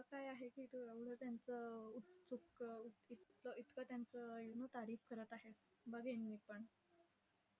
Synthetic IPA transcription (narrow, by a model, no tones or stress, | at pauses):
akajaɦekiːt̪ueʋɽ̤əːt̪jant͡səut͡sukuit̪ləit̪kət̪jant͡səjunot̪aɾiːfkəɾət̪aɦes | bəɡʱenʋiːpəɳ